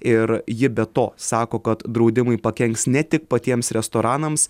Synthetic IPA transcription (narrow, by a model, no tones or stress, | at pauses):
ɪɾjɪbʲɛt̪oːsɑːkoːkɐt̪d̪ɾɐʊd̪ʲɪmɐɪpɐkʲɛŋksnʲɛt̪ʲɪkpɐt̪ʲiɛmsɾʲɛst̪oːɾɑːnɐms